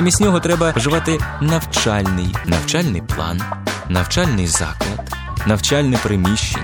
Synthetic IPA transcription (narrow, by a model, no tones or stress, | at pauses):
ɐmʲisʲnʲɔɦɔt̪ɾɛbɐʒɪʋɑt̪ɪnɐwt͡ʃalʲnɪjnɐ̰wt͡ʃɑlʲnɪjplˠɑ̰nːɐwt͡ʃɑlʲnɪjzɑ̰klˠɐd̪̥ | nɐwt͡ʃɑlʲnɪpɾɪmʲiʃʲt͡ʃɪ̰